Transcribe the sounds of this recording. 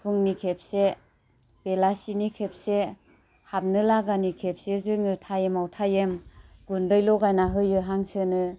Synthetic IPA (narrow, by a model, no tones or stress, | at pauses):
pʰuŋnikʰep̚se | b̥elasinikʰep̚se | hap̚nɯlaɡanikʰep̚sezɯŋɯtʰajemawtʰajemɡundɯjlɔɡajnaɦɯjɯɦaŋsɯnɯ